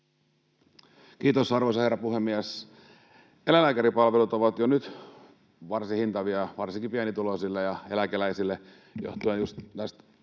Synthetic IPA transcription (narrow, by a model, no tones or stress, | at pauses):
kiːt̪osɑrʋoisɑherːɑpuhemːiæs | elælæːkæɾipɑlʋelut̪oʋɑt̪jonyt̪ | ʋɑrsihint̪ɑʋiɑʋɑrsiŋkipiænit̪ulosilːejɑelækelæisilːe | jo̰ht̪uenjust̪næst̪